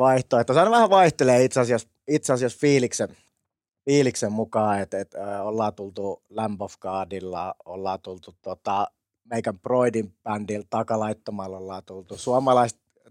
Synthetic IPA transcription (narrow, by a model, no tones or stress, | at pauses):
ʋɑiht̪oːet̪ːæsɑnʋæhæʋɑiht̪eleːit̪sɑsiɑs | it̪sɑsiɑsfiːliksen | fiːliksemmukɑːet̪et̪ːolːɑːt̪ult̪ulæmpofkɑːdilːɑ̰olːɑːt̪ult̪ut̪ot̪ɑ | meikæmproidimpændilt̪ɑkɑlɑit̪ːomɑlːolːɑːt̪ult̪usuɑmɑlɑist̪